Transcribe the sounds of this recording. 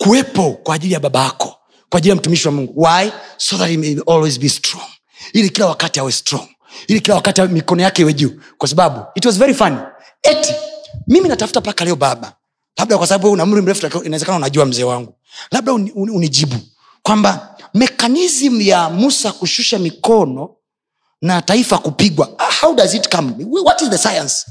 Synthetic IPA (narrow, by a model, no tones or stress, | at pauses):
kuwɛpɔkwaːʄilijaɓaɓaakɔ̥ | kwaːʄilijam̩tumiʃiwamuŋɡuwajsɔðatimeɔlwizbistɾɔŋ | ilikilawakatihawɛstɾɔŋ | ilikilawakatiamikɔnɔjakɛiwɛʄu | kwasaɓaɓuitwɔzvɛɾifani | ɛtimiminatafu̥tapakalɛɔɓaɓa | laɓ̚ɗakwasaɓaɓuwɛunam̩ɾim̩ɾɛfuainawɛzɛkanaunaʄuam̩zɛːwaŋɡu | laɓ̚ɗauniʄiɓu | kwambamɛkanizmujamusakuʃuʃamikɔnɔ | nataifakupiɡwaahawdazitkamwɔtizðəsajãns